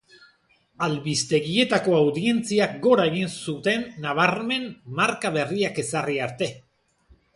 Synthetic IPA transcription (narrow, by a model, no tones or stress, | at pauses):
alβist̪e̞ɣie̞t̪ako̞awðie̞nt͡siak̚ɡo̞ɾae̞ɣinsut̪e̞nːaβ̞aɾme̞nmaɾkaβe̞riake̞sariaɾt̪e̞